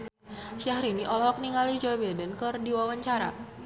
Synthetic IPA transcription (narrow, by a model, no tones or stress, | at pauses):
ʃahɾiniʔɔlɔɦɔk̚niŋalid͡ʒobɛdənkɨrdiwawaɲt͡ʃaɾa̰